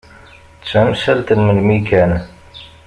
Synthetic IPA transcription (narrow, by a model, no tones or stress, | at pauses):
t͡sːæmʃælt̪ənmənmikæn